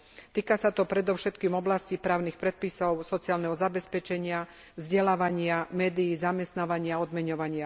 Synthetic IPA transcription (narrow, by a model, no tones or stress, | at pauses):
t̪iːkasat̪ɔpɾɛd̪ɔʊʃɛt̪kiːmɔblascipɾaːʊnixpɾɛt̪̚pisɔʊsɔt͡siaːlnɛɦɔzabɛspɛt͡ʃɛɲɪa | vzɟɛlaːʋaɲɪamɛːd̪iːzamɛst̪naːʋaɲɪaɔd̪mɛɲɔʋaɲɪa